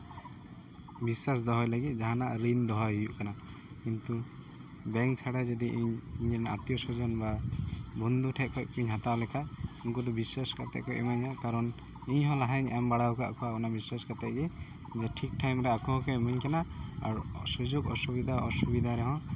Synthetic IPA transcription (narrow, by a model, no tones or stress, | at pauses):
biswas̬d̪ɔɦɔjlaɡit̪̚d͡ʒaɦanaʔɾind̪ɔɦɔɦijuʔkana | kint̪u | bɛŋkt͡ʃʰaɽad͡ʒɔd̪iʔiɲiɲɛna̰t̪jɔsud͡ʒɔnbabɔnd̪uʈʰɛʔ̚kʰɔʔkiɲɦat̪alɛkʰaʔunkɔd̪ɔbiswaskat̪ɛ̰ʔ̚kʰɔʔɛmaɲhɔʔkaɾɔn | iɲɦɔ̃laɦaɲɛmbaɽawkaʔkʰɔwaɔnabiswaskat̪ɛʔɡɛ | d͡ʒɔʈʰik̚ʈʰajmɾɛakɔɦkɔɛmaɲkanaa̰ɾsud͡ʒuɡɔsubid̪ʱaɔsubid̪ʱaɾɛɦɔ̃